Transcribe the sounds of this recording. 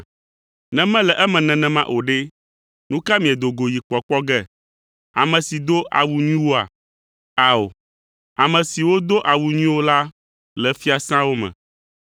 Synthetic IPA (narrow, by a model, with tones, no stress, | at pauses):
nɛ̃˦mɛ̃˦lɛ˨ʔɛ˦mɛ̃˨nɛ̃˨nɛ̃˨mã˦ʔo˨ɖe˦ | nũ˦ka˦mĩ˨ɛ˨d̪o˨ɡo˨ji˨k͡pɔ˨k͡pɔ˦ɡɛ˦ | a̰˨mɛ̃˨si˨d̪o˦ʔa̰˨wu˨ɲĩ˦wo˦a̰˨ | a˨o̰˨ | a˨mɛ̃˨si˨wo˦d̪o˦ʔa˨wu˨ɲĩ˦wo˦la˦ | lɛ˨fi˦a˨sã˦wo˦mɛ̰̃˨